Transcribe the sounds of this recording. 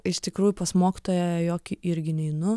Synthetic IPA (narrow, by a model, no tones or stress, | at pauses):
ɪʃt̪ʲɪkɾuːjʊpɐsmoːkʲɪ̥t̪oːjɛjoːkʲɪʔɪɾʲɡʲɪnʲɛɪnʊ